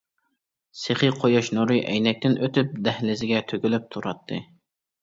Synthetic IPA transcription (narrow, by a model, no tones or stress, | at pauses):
seχɨqʰojɑʃnuɾɨʔɛ̰jnɛk̚ʲt̪ɪnøt̪yp̚d̪ɛhlɪzɪɡʲɛt̪ʰøɡʲylyp̚t̪ʰuɾɑt̪ʰːɨ